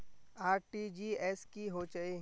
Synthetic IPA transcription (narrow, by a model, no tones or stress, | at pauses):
aːɾʈid͡ʒiːɛːskiɦot͡ʃɐe